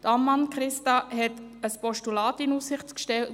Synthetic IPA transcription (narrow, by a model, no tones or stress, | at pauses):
d̥əɑmːɑnkɾɪstɑhɛtəspɔʃtulɑːtɪnuːsɪχtkʃtɛlt